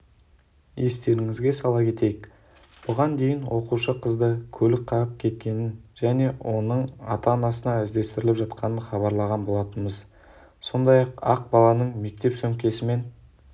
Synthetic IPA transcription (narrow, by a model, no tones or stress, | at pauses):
je̞st̪e̞ɾɪŋɪzɡʲe̞sɑlˠɑkʲʰe̞t̪e̞jɪk | b̥ʊʁɑnd̪e̞jɪnwo̞quʃəqʰəzd̪əkʲʰɵlɪk̚qʰɑɾəp̚kʲʰe̞t̪̚kʲe̞nɪnʒ̥æne̞wʔo̞nəɴɑ̰t̪ɑnɑsənɑɪzd̪e̞st̪ɪɾɪlɪpʒɑt̪qʰɑnənχɑβɑɾlˠɑʁɑnbo̞lˠɑt̪ənməz | so̞nd̪ɑjɑqɑq̚bɑlˠɑnəɴme̞k̚t̪e̞psɵŋkʲe̞sɪme̞n